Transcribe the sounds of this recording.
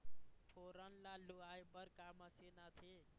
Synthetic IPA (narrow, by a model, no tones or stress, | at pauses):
pʰoɾanlaluaebʌɾkamʌsenat̪ʰe